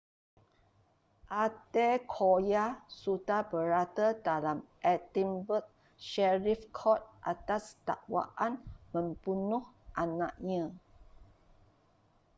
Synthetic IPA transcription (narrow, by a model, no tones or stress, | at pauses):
ʔat̪ɛkʰojasudabəɾat̪ədalamʔɛtĩmbət̚ | ʃɛɹifkʰɔt̪̚ʔa̰t̪ast̪a̰ʔwa̰ʔanmə̃mb̥unʊhʔanã̰ʔɲã